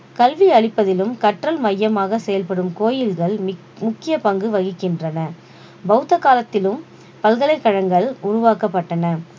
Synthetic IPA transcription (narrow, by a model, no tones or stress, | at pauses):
kɐlʋiɐɭɪpːɐðɪlɯmkɐʈrɐlmɐjːɐmaːɣɐsɛjɐlpɐɽɯmkoːjɪlɣɐɭ | mʊkːɪjɐpɐŋɡɯʋɐɣɪkːɪndrɐnɐ | bɐɯt̪ːɐkːaːlɐt̪ːɪlɯm | pɐlɣɐlɐɪkːɐɻɐŋɡɐɭʊɾʊʋaːkɐpːɐʈːɐnɐ